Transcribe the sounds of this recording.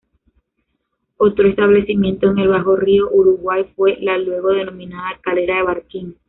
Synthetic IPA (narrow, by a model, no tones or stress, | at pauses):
o̞t̪ɾoe̞st̪aβle̞simjẽ̞nt̪o̞eŋe̞lβaxo̞rio̞ʔuɾuɣwajfwe̞lalwe̞ɣo̞ðe̞no̞mĩnaðakaɾeɾaðeβaɾkiŋ